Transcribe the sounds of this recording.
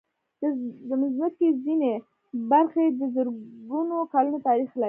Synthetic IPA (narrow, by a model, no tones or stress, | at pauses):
d̪əmɪznat̪̚kezine | baɾxed̪əzəɾɡunokɑlunot̪ɑɾixla